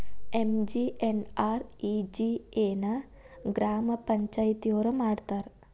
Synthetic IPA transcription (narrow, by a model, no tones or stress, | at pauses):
emd͡ʒiʔenaːɾid͡ʒieːnɐ | ɡɾaːmɐpɐɲt͡ʃaːjit̪ijoːɾɐmaːɽt̪aːɾ